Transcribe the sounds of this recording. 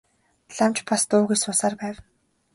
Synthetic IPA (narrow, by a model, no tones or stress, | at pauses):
ɮamt͡ɕpast̪ʊːɣujsʊːsaːrpæːw